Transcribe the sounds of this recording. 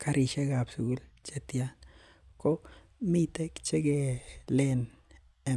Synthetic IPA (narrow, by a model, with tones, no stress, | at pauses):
ka˦ɾʔi˧ʃe˦ɡa˨bsu˨ɡu˦lt͡ʃe˧t̪ja˦n | ko˦ | mi˦t̪e˦kt͡ʃe˦ɡe˧le˦n | e˨